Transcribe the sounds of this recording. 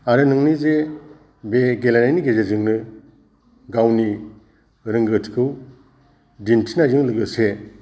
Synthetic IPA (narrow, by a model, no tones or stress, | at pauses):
aɾɯnɯŋnize | beɡelanajniɡezezɯŋnɯ | ɡawni | ɾɯŋɡɯtʰkʰɯw | dintʰinazɯŋlɯɡɯse